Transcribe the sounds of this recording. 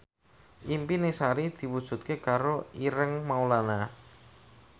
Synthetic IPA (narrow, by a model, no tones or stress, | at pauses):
ʔimpinisaɾid̪̥i̤wud̥ʒ̥ṳt̪̚kekaɾoiɾəŋmaulana